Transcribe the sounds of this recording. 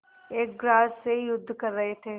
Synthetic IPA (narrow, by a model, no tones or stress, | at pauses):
eːk̚ɡɾaːsseijʊd̪ʱːkɐɾːɐɦet̪ʰeː